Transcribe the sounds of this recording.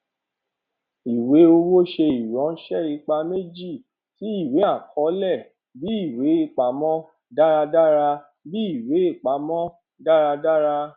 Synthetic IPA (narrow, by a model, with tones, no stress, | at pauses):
i˨we˨˦o˧wo˦ʃe˧i˨ɾɔ̃˨˦ʃɛ˦˨ɾi˧k͡pa˧me˦d͡ʒi˦˨ | ti˨˦i˦˨we˨˦a˦˨kɔ˨˦lɛ˦˨ | bi˨˦i˦˨we˨˦i˦˨k͡pa˨mɔ̃˦ | da˦ɾa˧da˦ɾa˧ | bi˦i˦˨we˨˦i˦˨k͡pa˨˦mɔ̃˦ | da˦ɾa˧da˦ɾa˧